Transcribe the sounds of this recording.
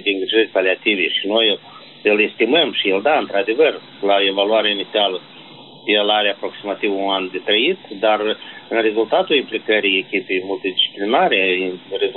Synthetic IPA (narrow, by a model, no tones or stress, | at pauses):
d̪eɨŋɡɾiʒərʲpaliat̪iveʃino̞j | ɨle̞st̪iməmʃield̪aɨnt̪ɾad̪e̞vər | laoe̞valuaɾeainit̪sialə | jelaɾeapɾo̞ksimat̪ivunand̪e̞t̪ɾəit̪d̪arɨnre̞zult̪at̪ulimplikəɾijekʲipe̞jmult̪id̪it͡ʃi̥plinaɾe̞rez